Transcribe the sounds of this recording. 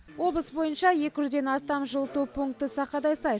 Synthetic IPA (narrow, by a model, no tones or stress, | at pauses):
wo̞blˠəsbo̞jənʃɑje̞kʲɪʒʏzd̪e̞nɑst̪ɑmʒəlˠt̪uwpʰuŋk̚t̪əsɑqɑd̪ɑjsɑj